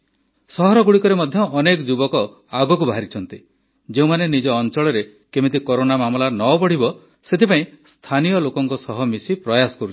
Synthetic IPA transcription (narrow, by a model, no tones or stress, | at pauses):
sɔɦɔɾɔɡuɽikɔɾemɔd̪ʱjɔːnekɔd͡ʒubɔkɔ | aɡɔkubaɦaɾit͡ʃʰɔnt̪i | d͡ʒeũmanenid͡ʒɔːnt͡ʃɔɭɔɾe | kemit̪̬ikoɾonamamɔlanɔbɔɽ̤ibɔ | set̪ʰipaĩst̪ʰanijɔlokɔŋkɔsɔɦɔmisipɾɔjasɔ̥kɔɾut͡ʃʰ